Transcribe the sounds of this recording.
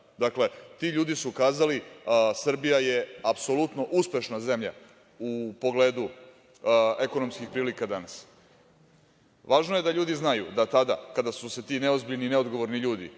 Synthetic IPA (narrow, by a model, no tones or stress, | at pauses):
d̪akle̞t̪iʎuːd̪isukaːzalisr̩bijaje̞apso̞lˠut̪no̞ʔuspʲe̞ʃnaze̞mʎa̰ | upo̞ɡle̞ːd̪u | eko̞no̞mskixpɾiːlikad̪anas | ʋaːʒnoje̞d̪aʎuːd̪iznajṵd̪at̪ad̪a̰kad̪asuse̞t̪iːne̞ozbiʎnine̞o̞d̪ɡo̞ʋo̞ɾniʎuːd̪ḭ